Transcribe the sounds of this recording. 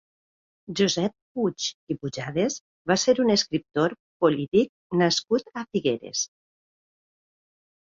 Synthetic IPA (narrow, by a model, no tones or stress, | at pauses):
ʒuzɛp̚put͡ʃipuʒaðes | βaseɾuneskɾip̚t̪oɾ | polit̪ik̚naskut̪afiɣeɾḛs